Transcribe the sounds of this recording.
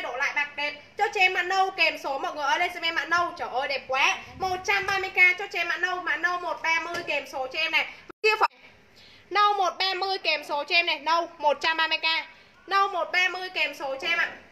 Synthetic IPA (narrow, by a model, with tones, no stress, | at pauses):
ɗo̰˧˩la̰ː˧˨jɓa˨˩k̚ɗe˨˦ | t͡ɕɔ˧t͡ɕe˧˦nma̰ː˧˩nə˧wke˨˩mso˨˦mɔ̰˨˩t̚ŋɨ˨˩əʔəː˧le˧sa˧me˧ma̰ː˧˨nə˧wt͡ɕəː˧˩ʔəː˧jɗe˨˩mkwɛ˨˦mo˨˩t̚t͡ɕa˧mɓaː˧mɨ˧əjkaː˧t͡ɕɔ˧t͡ɕe˧˦nma̰ː˧˨nə˧wma̰ː˨˩nə˧wmo˨˩t̚ɓaː˧mɨ˧əjke˨˩mso˨˦t͡ɕe˧mna˨˩jvə˧˨˧ki˧əfaː˨j | nə˧wmo˨˩t̚ɓaː˧mɨ˧əjke˨˩mso˨˦t͡ɕe˧mna˨˩jnə˧wmo˨˩t̚t͡ɕa˧mɓaː˧mɨ˧əjkaː˧ | nə˧wmo˨˩t̚ɓaː˧mɨ˧əjke˨˩mso˨˦t͡ɕe˧mʔa̰ː˧˨